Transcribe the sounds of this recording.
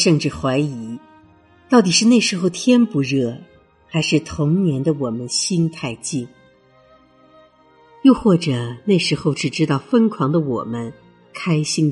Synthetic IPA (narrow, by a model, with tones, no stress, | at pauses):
ʂɤ˥˧ŋʈ͡ʂɻ̩˥˩xwa˧˥ɪi˧˥ | t̪ɑ˥˩ʊt̪i˨˩ʂɻ̩˥˧na˥˩ɪʂɻ̩˧˥xo˥˧ʊt̪ʰjɛ˥npu˧˥ɻɤ˥˩ | xa˧˥ɪʂɻ̩˥˩t̪ʰʊ˧˥ŋnjɛ˧˥nd̪ə˧wɔ˨˩mə˦nɕi˥nt̪ʰa˥˧ɪt͡ɕi˥˩ŋ | jo˥˧ʊxwɔ˥˩ʈ͡ʂɤ˨˩na˥˩ɪʂɻ̩˧˥xo˥˧ʊʈ͡ʂɻ̩˨˩ʈ͡ʂɻ̩˥t̪ɑ˥˩ʊfə˥nkʰwɑ˧˥ŋd̪ə˧wɔ̰˨˩mə˦n | kʰa˥ɪɕi˥ŋ